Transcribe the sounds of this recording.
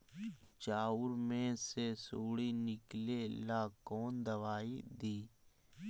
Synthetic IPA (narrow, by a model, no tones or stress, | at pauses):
t͡ʃaːuɾmẽsesoːɽinɪklelakɔːnd̪əʋaːid̪iː